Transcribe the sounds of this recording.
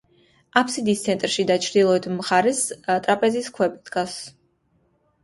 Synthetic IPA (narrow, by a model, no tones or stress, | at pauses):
apʰsid̪ist̪sʰɛnt̪ʼɾʃid̪at͡ʃʰɾd̪ilˠɔɛt̪ʰmχaɾɛst̪ʼɾapʼɛziskʰwɛbʼid̪ɡas